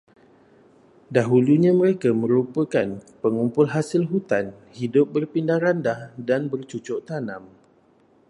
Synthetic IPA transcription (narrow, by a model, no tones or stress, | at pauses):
daɦuluɲãməɾekamə̃ɾupəkanpəŋumpʊlɦasɪlɦut̪an | hidʊp̚bərpindahɾandahdanbərt͡ʃut͡ʃʊʔt̪anãm